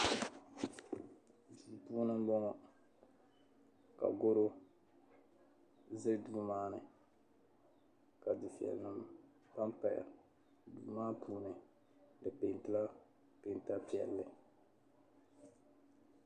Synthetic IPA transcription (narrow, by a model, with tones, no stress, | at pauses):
duː˨puː˦nɨ˦m˦bɔ˦ŋɔ˨ | ka̰˨ɡo˦ɾo˦ | ze˦duː˨˦maː˦nɨ˨ | ka˨dɨ˨fi˨ɛ̰˨lnɨ˦m | pa˦mpa˨ja̰˨ | duː˨˦maː˦pʰuː˦nɨ˨ | dɨ˨pe˨n˨tɨ˦la˦ | pe˨n˨ta˦pi˦ɛ̰˨lːɨ˨